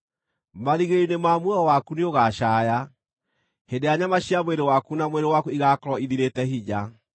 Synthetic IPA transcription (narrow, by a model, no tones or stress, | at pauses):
maɾiɣeinemamwɔwakuneoɣaʃaːja | hendejaɲamaɕiamweɾewakunamweɾewakuiɣakɔɾɔiðiɾetɛɦiɲa